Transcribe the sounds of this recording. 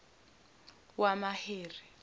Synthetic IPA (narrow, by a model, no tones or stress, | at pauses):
wamaheːri